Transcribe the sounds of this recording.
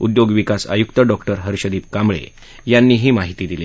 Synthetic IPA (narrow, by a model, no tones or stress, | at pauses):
ṵd̪joɡʋikasa̰jukt̪əɖɔkʈəɾɦəɾɕəd̪iːp̚kamɭḛ | janːiːɦiːmaɦit̪iːd̪ili